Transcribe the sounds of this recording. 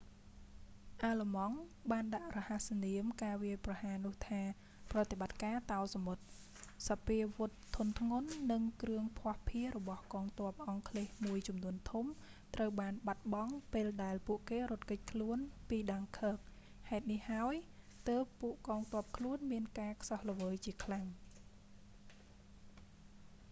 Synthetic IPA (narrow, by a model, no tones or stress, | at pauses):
ʔaːləmɑŋɓaːnɗaʔrɔhasaniəmkaːʋiəjprɑhaːnʊ̆əht̪ʰaː | prɑt̪eɓat̪̚kaːt̪aɔsamot̪̚ | sɑpiəʋʊt̪ʰːunt̪ʰŋʊnːɨŋkrɨəŋpʰŏəhpʰiərɔɓɑhkɑːŋt̪ŏəp̚ʔɑŋkʰleːhmuəjt͡ɕɑmnuənt̪ʰum | t̪rəwɓaːnɓat̪̚ɓɑŋpeːlɗaɛlpuəʔkeːɾʊ̆ət̪̚kəc̚kʰluənpiːɗaŋkʰəːk̚ | haɛt̪̚nihhaəɔj | t̪əːpːuəʔkɑːŋt̪ŏəp̚kʰluənmiənkaːkʰsɑhlə̆ʋəːjt͡ɕiəkʰlaŋ